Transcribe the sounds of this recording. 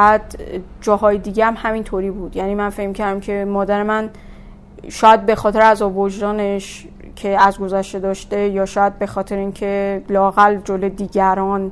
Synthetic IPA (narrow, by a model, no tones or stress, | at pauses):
æd̪ | d͡ʒɒːɦɒːjed̪iːɟeæmhæmint̪ʰoɾiːbuːd̪jæniːmænfe̞cmicʰæɾd̪æmcʰe̞mɒːd̪æɾemæn | ʃɒːjæd̪̚be̞xɒːt̪e̞ɾeæzɒːboʒdɒːne̞ʃ | cʰe̞æzɡo̞zæʃt̪e̞d̪ɒːʃt̪e̞jɒːʃɒːjæd̪̚be̞xɒːt̪ʰe̞ɾeiːncʰe̞lɒːɣæld͡ʒolod̪iːɟæɾɒːn